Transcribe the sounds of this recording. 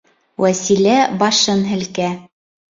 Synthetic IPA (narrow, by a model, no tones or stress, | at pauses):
wʔæsilæbɑʃɤnɦɘ̆lkæ